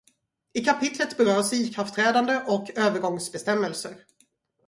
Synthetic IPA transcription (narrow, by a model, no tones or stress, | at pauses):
ɪkʰapʰɪt̪ʰlət̪bɛɾøːsiːkʰɾaft̪ʰɾɛːd̪and̪əʔɔkøːvəɾɡɔŋsbɛst̪ɛmːəlsəɾ